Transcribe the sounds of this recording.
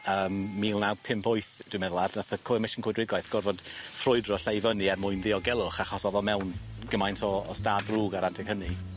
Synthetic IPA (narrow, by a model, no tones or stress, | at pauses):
əːmːiːlˠnawpʰɪmpʰʊɨθd̥wimɛðlˠadnaθəkʰʊmɪʃənkʰwɪdwɪɡwajθɡ̥ɔrvɔd̥frʊɨdrɔɬajvəniarmʊɨnðiɔɡɛlˠʊχaχɔsɔðɔmɛwnɡ̥əmajntʰɔɔ̰staːdruːɡaɾantʰɛkhəni